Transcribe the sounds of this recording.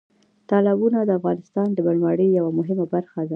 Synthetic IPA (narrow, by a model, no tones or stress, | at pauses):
t̪ɑlɪbunad̪əafɣɑnɪst̪ɑnd̪əbəlmɑɽəjːawamʊɦɪmabaɾxad̪a